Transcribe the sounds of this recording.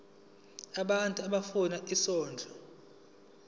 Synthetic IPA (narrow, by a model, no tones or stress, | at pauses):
aɓantʼuaɓafunaʔisɔːnd͡ɮʱɔ